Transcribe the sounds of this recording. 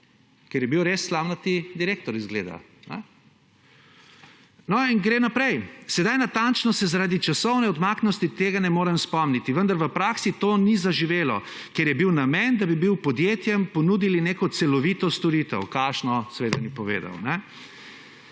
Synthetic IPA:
keɾjɛbiwɾesːlaːwnat̪id̪iɾeːk̚t̪ɔɾizɡlḛːd̪a̰ | nɛ̰ | nɔinɡɾeːnapɾɛjsɛd̪ajnat̪ant͡ʃnɔsɛzaɾaːd̪it͡ʃasɔwnɛɔd̪maːknɔst̪it̪eːɡanɛmoːɾɛmspɔmnit̪iʋənd̪aɾʋəpɾaːksit̪oːnizaʒiʋeːlɔ | keɾjɛbiwnamɛnd̪abibiwpɔd̪jeːt̪jɛmpɔnuːd̪ilineːkɔt̪sɛlɔʋit̪ɔst̪ɔɾit̪ɛ̰wkaʃnɔsɛʋeːd̪anipɔʋḛːd̪a̰wnɛ

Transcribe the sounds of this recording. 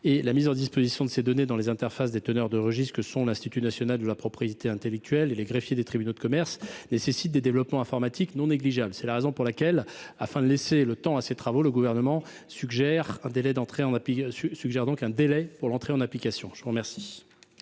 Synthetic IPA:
elamizɑ̃d̪ispozisjɔ̃d̪əsed̪ɔned̪ɑ̃lezɛ̃t̪ɛʁfasd̪et̪ənœʁd̪əʁəʒist̪kəsɔ̃lɛ̃st̪it̪ynasjɔnald̪əlapχɔpχijet̪eɛ̃t̪elɛk̚t̪ʰɥɛleleɡʁefjed̪et̪χibynod̪əkɔmɛʁsnesesit̪̚d̪ed̪evlɔpmɑ̃ɛ̃fɔʁmat̪ʰiknɔ̃neɡliʒablsɛlaʁezɔ̃puʁlakʲɛlafɛ̃d̪əleselət̪ɑ̃aset̪χavoləɡuvɛʁnəmɑ̃ | syɡʒɛʁɛ̃d̪elɛd̪ɑ̃t̪χeɑ̃napisyɡʒɛʁd̪ɔ̃kɛ̃d̪elɛpuʁlɑ̃t̪χeɑ̃naplikasjɔ̃ʒ̥əvuʁmɛʁsi̥

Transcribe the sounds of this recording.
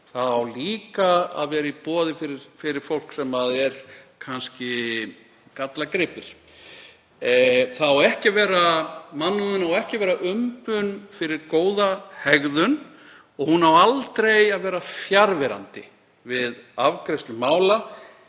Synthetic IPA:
θaðawliːkaa̰ðvɛːɾaipɔːðɪfɪɾɪɾ̥fɪɾɪɾ̥fowl̥ksɛmaðɛɾ̥kʰanscɪ | kat̪lakɾɪpɪɾ̥ | θaðawɛhcɪvɛːɾamanːʏɪnawɛhcɪvɛːɾaʔʏmpʏnfɪɾɪɾkoːwðahɛɣðʏn | ɔɣhunawalt̪ɾejaðvɛːɾafjaɾvɛɾa̰nt̪ɪ | vɪðavkɾejst̪lʏmaːwla

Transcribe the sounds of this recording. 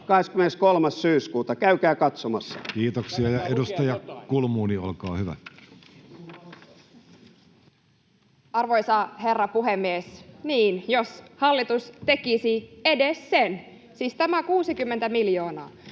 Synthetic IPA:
kɑheskymeneskolmɑssyːskuːt̪ɑkæykæːkɑt̪somɑsːɑ̥̰kiːt̪oksiɑjɑedust̪ɑjɑkulmuːnio̰lkɑːhyʋæ̰ | ɑrʋojsɑherːɑpuɦemːiesniːnjoshɑlːit̪ust̪ekisiedessen | siːst̪æmækuːsikymːent̪æmiljoːnɑː

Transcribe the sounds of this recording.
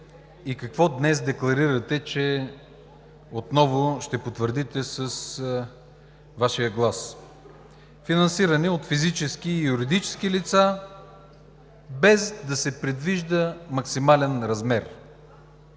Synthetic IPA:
ikɐkvɔd̪nɛzd̪ɛklˠɐɾiɾət̪ɛt͡ʃɛ | ot̪nɔvʊʃt̪ɛpot̪vəɾd̪it̪ɛsəs | vaʃijəɡlˠas | finɐnsiɾɐnɛot̪fizit͡ʃɛskiːjuɾid̪it͡ʃɛ̥sk̟ilit̪sa | bɛzd̪ɐsɛpɾɛd̪viʒd̪əmɐksimalɛnɾɐzmɛɾ

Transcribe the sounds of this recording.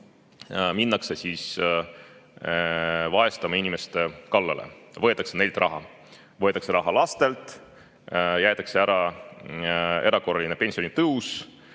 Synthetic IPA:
minːɑkse̞siːs | vɑe̞st̪ɑmɑinʲime̞st̪e̞kɑlːɑlʔḛvɤ̞et̪ːˑɑksene̞jld̪rʔɑɦɑ | vɤet̪ːˑɑkse̞ɾɑɦɑlɑst̪e̞lt̪ˑ | jæjt̪ˑɑkse̞æɾɑ | e̞ɾɑko̞rːɑlʲine̞pe̞nʲsionit̪ɤus

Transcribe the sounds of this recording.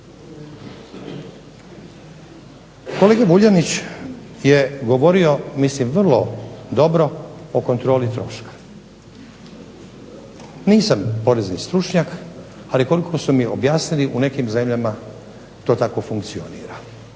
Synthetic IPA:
koleːɡabuʎanit͡ɕ | jeɡo̞ʋo̞ɾio̞mislimʋrlˠo̞d̪o̞bɾo̞okont̪ɾo̞ːlit̪ɾo̞̰ʃkḁ | niːsampo̞ɾe̞znist̪ɾut͡ʃɲak | aliko̞likʰosumiobjaːsniliʔune̞kimze̞mʎama | t̪o̞ːt̪ako̞fuŋkt̪sio̞̰niːɾa

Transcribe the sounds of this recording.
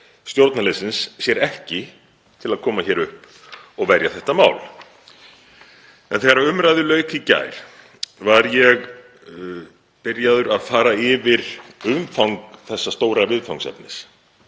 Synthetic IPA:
st̪jowɾt̪nalɛsɪnsːjɛɾɛhcɪ | t̪ʰɪlaðkʰɔːmaçɛːɾʏhp | ɔɣvɛɾjaθɛht̪ama̰ːwl | ɛ̰nθɛːɣaɾaʏmɾajðʏlœːɥkɪca̰ːjɾ̥ | vaɾjɛɣ | pɪɾjaðʏɾaðfaːɾaɪvɪɾ̥ʏmfawŋkθɛsːast̪oːwɾaɣvɪðfawŋksɛ̰pnɪs

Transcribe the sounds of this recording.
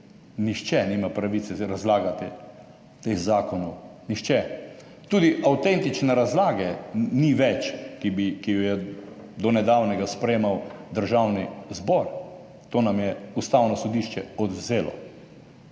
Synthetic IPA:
nixt͡ʃɛnimapɾaʋit̪sɛɾazlaːɡat̪ɛ | t̪exzaːkɔnɔwnixt͡ʃɛ | t̪ud̪iʔawt̪ɛnt̪it͡ʃnɛɾazlaːɡɛniʋɛt͡ʃkibikijɔjɛd̪ɔnɛd̪awnɛɡaspɾɛjemawd̪əɾʒawnizbɔɾ | t̪oːnamjɛust̪aːwnɔsɔd̪iʃt͡ʃɛɔd̪wzeːlɔ̰

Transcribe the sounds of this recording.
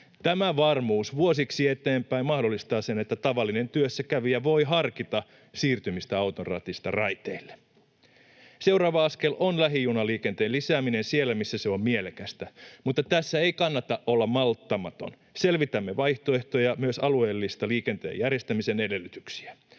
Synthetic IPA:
t̪æmæʋɑrmuːsʋuos̬iksiet̪eːmpæimmɑhdo̞lːist̪ɑːsenet̪ːæt̪ɑʋɑlːine̞nt̪yøsːækæʋijɑʋo̞iɦɑrkit̪ɑ | siːrt̪ymist̪æɑwt̪orɑ̰ːt̪ist̪ɑ̰rɑjt̪eilːe | se̞uɾɑːʋɑɑske̞lʔonlæɦijunɑliːkent̪eːnlisæːminensielːæmisːæseo̞mmielekæst̪æmut̪ːɑt̪æsːæeikɑnːɑt̪ɑʔʔolːɑmɑlt̪ːɑmɑt̪o̞̰n | se̞lʋit̪æmːeʋɑjht̪oe̞ht̪ojɑmyøsɑlue̞ːlːist̪ɑliːke̞nt̪ḛːjærjest̪æmisene̞de̞lːyt̪y̥ksi̥æ

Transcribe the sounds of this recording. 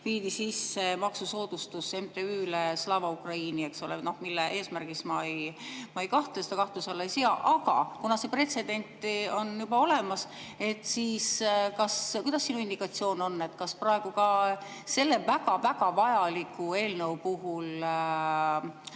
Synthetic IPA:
piːd̪isisːemɑksuso̞ːd̪̥ust̪use̞mt̪eyːleslɑːvɑukrɑiːnieksolḛnohmilːeʔe̞ːsmærɡ̥ismɑejmɑejkɑht̪elesed̪ɑkɑht̪usɑlːejsiɑʔɑɡ̥ɑ̰kunɑse̞pre̞t̪se̞d̪e̞nʲt̪ːˑo̞njubɑo̞le̞mɑse̞t̪ːˑsiːskɑskujd̪ɑsːinuind̪̥ikɑt̪sio̞ːno̞nːe̞t̪ːkɑsprɑe̞ɡ̥ukɑse̞lːe̞væɡ̥ɑvæɡ̥ɑvɑjɑlikːˑue̞ːlne̞wpuɦul

